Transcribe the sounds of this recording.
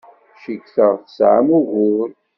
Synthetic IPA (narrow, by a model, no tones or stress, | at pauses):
ʃikθəʁθəsʕa̰muɣʊɾ